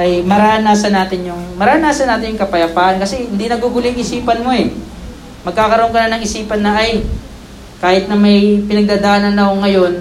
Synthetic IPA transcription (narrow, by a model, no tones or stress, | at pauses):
ʔɐjmɐɾaːnaːsɐnaːt̪ɪnjʊŋmɐɾaːnaːsɐnaːt̪ɪnjʊŋkɐpɐjɐpaːʔɐnkɐsɛhɪnd̪inɐɡuɡʊlɛɐŋʔɪsiːpɐnmo̞ɛ | mɐɡ̚kaːkɐɾoʔoŋkɐnanɐŋʔɪsiːpɐnːɐʔɐj | kaːhɪt̪̚nɐmɐjpɪnɐɡ̚d̪aːd̪aːʔnɐnːɐhoŋːɐjo̞n